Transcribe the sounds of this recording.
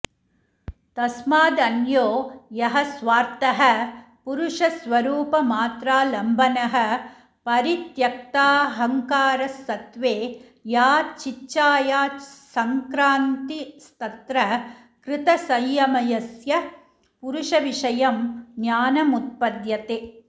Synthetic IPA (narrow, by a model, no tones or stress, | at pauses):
t̪ɐsmaːd̪ɐnjoːjɐɦɐsʋaːɾt̪ɐɦɐ | puɾuʂɐsʋɐɾuːpɐmaːt̪ɾaːlɐmbʱɐnɐɦɐ̆ | pɐɾit̪jɐk̚t̪aːɦɐŋkaːɾɐsːɐt̪ʋeː | jaːt͡ʃit͡ʃːt͡ʃaːjaːsɐŋkɾaːnt̪ist̪ɐt̪ɾɐ | kɾɪt̪ɐsɐjjɐmɐjɐsjɐ | puɾuʂɐʋiʂɐjɐmnjaːnɐmut̪̚pɐd̪jɐt̪eː